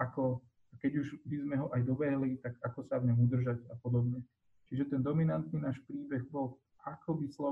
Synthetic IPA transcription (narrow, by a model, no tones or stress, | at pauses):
akɔ | akɛɟuʒbizmɛɦɔʔajd̪ɔbɛɦlit̪aɡakɔsavɲɔmud̪r̩ʒaɟapɔd̪ɔbɲɛ | t͡ʃiʒɛt̪ɛnd̪ɔminant̪niːnaːʃpɾiːbɛɣbɔl | ʔakɔbislɔ